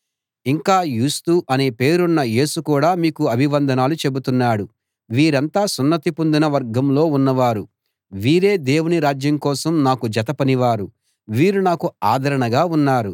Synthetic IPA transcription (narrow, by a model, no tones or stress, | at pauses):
iŋkaːjuːst̪uʔɐneːpe̞ːɾunːɐje̞ːsukuːɽaːmiːkuɐbʱiʋɐnd̪ʱɐnaːlut͡ʃe̞but̪unːaːɽu | ʋiːɾɐnt̪aːsunːɐt̪ipond̪inɐʋɐɾɡɐmlo̞ːunːɐʋaːɾu | ʋiːɾe̞ːd̪e̞ːwuniɾaːd͡ʒjɐmkɔːsɐmnaːkud͡ʒɐt̪ɐpɐniʋaːɾu | ʋiːɾunaːkuaːd̪ʱɐɾɐɳɐɡaːunːaːɾu